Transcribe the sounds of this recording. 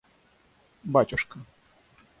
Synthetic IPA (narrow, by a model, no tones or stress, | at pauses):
batʲʊʂkə